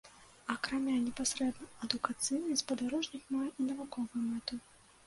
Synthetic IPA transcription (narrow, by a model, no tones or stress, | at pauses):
ɐkɾamʲanʲɛpasɾɛd̪nɐɐd̪ukat̪sɨjnɨspɐd̪aɾɔʐnʲixmajɛʔinɐvukɔvujumɛt̪u